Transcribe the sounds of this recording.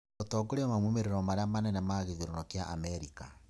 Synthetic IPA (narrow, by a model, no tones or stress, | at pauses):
otɔɡoɾeɔmamwumeɾeɾɔmaɾeamanɛnɛmaɣeðiɾɔnɔkjaʔamɛɾika̰